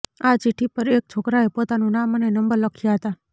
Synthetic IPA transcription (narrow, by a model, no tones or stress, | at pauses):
at͡ʃiʈʰːipəɾek̚t͡ʃʰokɾaepot̪anũnamənenəmbəɾləkʰjaɦət̪a